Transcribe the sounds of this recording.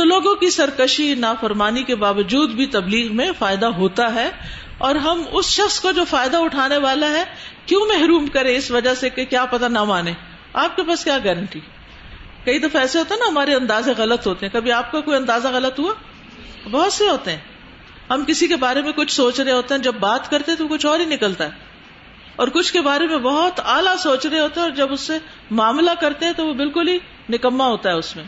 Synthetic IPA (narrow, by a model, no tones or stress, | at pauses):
tt̪oloːɡõkisɐɾkəʃinaːfɐɾmaːnikebaːʋəd͡ʒuːd̪bʱit̪ɐbliːɣmẽfaːɪd̪aɦoːt̪aɦɛː | ɔːɾɦɐmʊsʃɐxskod͡ʒoːfaːɪd̪aʊʈʰaːneʋaːlaɦɛːkjõːmɛɦɾuːmkɐɾẽɪsʋɐd͡ʒasekekjaːpɐt̪anamaːnẽː | aːp̚kepaːskjaːɡɛːɾə̃ɳʈiː | kɐid̪ɐfaɛːseɦoːt̪eɦɛnaɦɐmaːɾeɐ̃nd̪aːzẽɣɐlət̪ɦoːt̪eɦɛ̃kɐbʱiaːp̚kakoːiɐ̃nd̪aːzaɣɐlət̪ɦua | bɔɦʊt̪seɦoːt̪eɦɛ̃ː | ɦɐmkɪsikebaːɾemẽkʊt͡ʃʰsoːt͡ʃɾɐɦeɦoːt̪eɦɛ̃d͡ʒɐbːaːt̪kɐɾt̪eɦɛ̃t̪oʋokʊt͡ʃʰɔːɾinɪkəlt̪aɦɛː | ɔːɾkʊt͡ʃʰkebaːɾemẽbɔɦʊt̪aːlasoːt͡ʃɾɐɦeɦoːt̪eɦɛɔːɾd͡ʒɐbʊsːe | maːmlakɐɾt̪ẽɦɛ̃t̪oʋobɪlkʊlɦi | nɪkəmːaɦoːt̪aɦɛʊsmẽː